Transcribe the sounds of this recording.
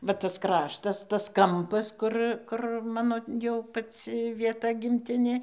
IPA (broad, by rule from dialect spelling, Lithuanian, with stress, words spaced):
ˈʋɐ ɐs ˈkrɑːʃtɐs tɐs ˈkɐmpɐs ˈkʊr kʊr ˈmɑːnoː jɛʊ pɐˈt͡sʲɪ ʋʲiɛˈtɐ ɡʲɪmʲˈtʲɪnʲeː